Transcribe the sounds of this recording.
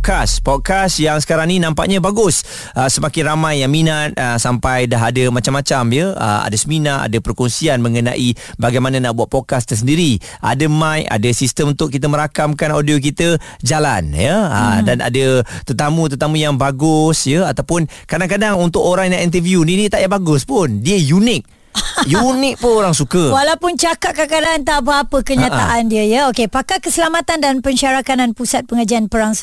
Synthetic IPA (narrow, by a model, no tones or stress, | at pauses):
kaspɔt̪̚kasjaŋsə̥kaɾaŋninãmpa̰ʔɲabaɡʊs | əsəmakɪnramajːaŋminat̪̚əsampajdaɦadəmat͡ʃamːat͡ʃamjəə̰ma̰dəsəminaʔa̰dəpərkɔnsianmə̃ŋəna̰ʔi | baɡajmananaʔbuat̪̚pɔd̚kast̪əsəndiɾi | ʔa̰dəmãja̰dəsist̪əmunt̪ʊʔ̚kːit̪əməɾakamkanodiok̬it̪ə | d͡ʒalanjəa̰dana̰dət̪ət̪amũt̪ət̪amũjaŋbaɡʊsjəat̪awpʊn | kadaŋkadaŋunt̪ʊkoɾaŋjaŋint̪əviuninit̪aʔjaʔbaɡʊspʊndiəjunɪk̚ | junɪk̚pʊnoɾaŋsukəwalawpʊnt͡ʃakaʔ̚kakadant̪apəapəkəɲaaʔandiəjəokepakakəsəlamat̪andanpəɲʃaɾakananpusat̪̚pəŋad͡ʒianpəɾaŋ